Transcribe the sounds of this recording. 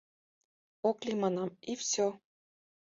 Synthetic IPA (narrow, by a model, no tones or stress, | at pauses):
oklʲimɑnɑmifsʲo